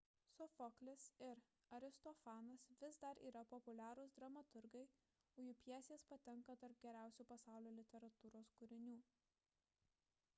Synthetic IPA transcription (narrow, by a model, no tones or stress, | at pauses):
sʊfɔklʲɪsɪɾ | ɐɾʲɪst̪ɔfɑːnɐsʋʲɪsd̪ɐɾʔḭːɾɐpɔpʊlʲæːɾʊsd̪ɾɐmɐt̪ʊɾɡɐɪ | ʊjuːpʲjɛsʲeːspɐt̪ʲɛŋkɐd̪ɐɾp̚ɡʲɛɾʲæˑʊsʲuːpɐsɑˑʊlʲoːlʲɪt̪ʲɛɾɐt̪uːɾoːskʊɾʲɪnʲuː